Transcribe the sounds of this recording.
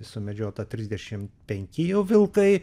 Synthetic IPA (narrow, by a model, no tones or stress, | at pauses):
sʊmʲɛd͡ʒʲoːt̪ɐt̪ʲɾʲɪzʲd̪ʲɛʃʲɪmpʲɛŋʲkʲɪjɛʊʋʲɪlˠkɐɪ